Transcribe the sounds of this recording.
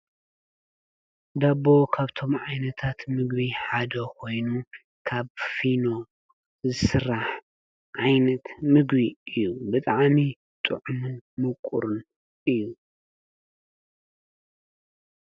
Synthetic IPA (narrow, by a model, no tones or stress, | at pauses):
d̪abo̞kʰaβt̪ʰo̞mʕajnɐt̪ʰat̪mɨɡbiħad̪ɐkʰo̞jnu | kʰaβfino̞ | zɨsɨrːaħ | ʕajnɐt̪mɨɡbiɨjːubɨt̪ʼaʕmi | t̪ʼɨ̰ʕumɨnmɨkʼṵɾɨn | ʔɨjːu